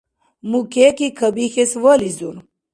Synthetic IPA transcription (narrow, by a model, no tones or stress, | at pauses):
mukekikʰəbixeswəlizun